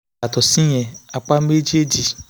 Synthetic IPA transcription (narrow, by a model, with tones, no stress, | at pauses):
a˨tʊ˨si˦ɲe˨a˨k͡pa˦m̩˦me˦d͡ʒi˦e˦d͡ʒi˨